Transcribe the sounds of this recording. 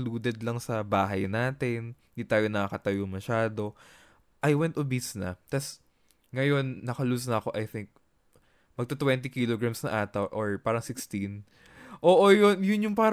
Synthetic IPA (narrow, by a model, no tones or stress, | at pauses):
luːd̪ɛd̪lɐŋsɐbaːɦɐjnaːt̪ɪn | d̪it̪aːjo̞nɐkɐkɐt̪ɐjomɐʃaːd̪o̞ | ʔɐjwɛnt̪ʔobisnɐ̰t̪ɐs | ŋɐjo̞nːɐkɐluːs̬nɐɐko̞ʔɐjθɪŋk̚ | mɐɡ̚t̪ot̪wɛnt̪ikiloɡɹamsnɐʔaːt̪ɐwʔoɹpaːɾɐŋsɪkst̪in | ʔoːʔojonjʊnjʊŋpaːɾ